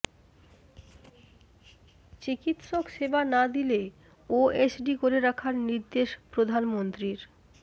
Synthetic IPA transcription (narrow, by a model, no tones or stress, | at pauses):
t͡ɕikit̪ʃokʃebanad̪ile | oesɖikoɾeɾakʰaɾniɾd̪eʃpɾod̪ʱanmont̪ɾiɾ